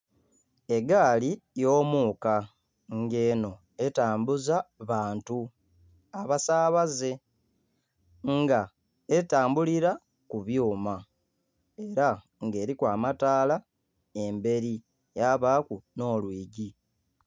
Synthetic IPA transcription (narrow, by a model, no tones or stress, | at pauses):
e̞ɡaːlijo̞ːmuːka | ŋɡe̞ːno̞ | e̞taːmbuzaβaːntu | aβasaːβaze̞ | ŋɡa | etaːmbuliɾa | kuβjuːma | eɾa | ŋɡe̞ːɾikwaːmataːla | e̞mbe̞ɾi | jaβaːkuno̞ːlwiːɟi